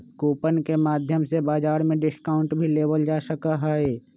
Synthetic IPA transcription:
koːpənkemaːd̪ʱjəmsebaːd͡ʒaːɾmẽɖɪskaːʊ̃ɳʈbʱileːʋəld͡ʒaːʃəkaɦɛe

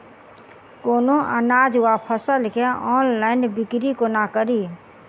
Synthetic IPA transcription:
koːnoʔənaːd͡ʒwapʰəsəlkeɔːnlaːɪnbɪkɾikonakəɾiː

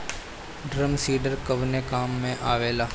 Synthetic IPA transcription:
ɖɾəmsiːɖəɾkəʋnekaːmːẽʔaːʋeːlaː

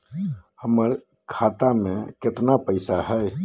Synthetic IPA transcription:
həməɾ | kʰaːt̪amẽkɪt̪napəɪsaɦɛ

